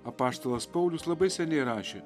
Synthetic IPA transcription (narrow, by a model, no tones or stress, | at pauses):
ɐpɑːst̪oːlˠɐspɐʊlʲʊslˠɐbɐɪsʲɛnʲɛɪɾɑːʃʲeː